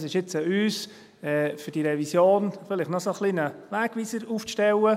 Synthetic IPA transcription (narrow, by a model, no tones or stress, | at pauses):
sɪʃjɪt͡səyːs | ɛːfʏɾd̥iɾɛvisjoːnfɪlɪχtnɔsoχlinəvæːɡ̥ʋiːsəɾuːfʃtɛwə